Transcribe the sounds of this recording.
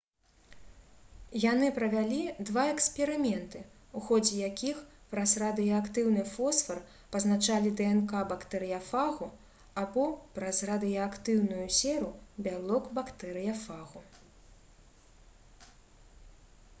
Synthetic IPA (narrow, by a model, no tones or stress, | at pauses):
janɨpɾɐvʲalʲid̪vaɛkspʲɛɾɨmʲɛnt̪ɨ | uxɔd͡zʲɛjakʲix | pɾɐzrad̪ɨjɐakt̪ɨwnɨfɔsfɐr | pɐznat͡ʃalʲid̪ɛɛnkabakt̪ɛɾɨjɐfaɣu | abɔpɾɐzrad̪ɨjɐakt̪ɨwnujusʲɛɾubʲalˠɔkbakt̪ɛɾɨjɐfaɣu